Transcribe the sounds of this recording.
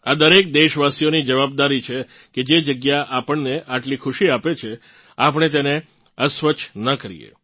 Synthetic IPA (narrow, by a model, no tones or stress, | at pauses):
ad̪əɾek̚d̪eʃʋasijonid͡ʒəʋab̚d̪aɾit͡ʃʰe | ked͡ʒed͡ʒəɡjaʔapəɳneʔaʈlikʰʊʃiapet͡ʃʰe | apəɳ̃et̪̬ene | əsʋət͡ʃʰnəkəɾḭjḛ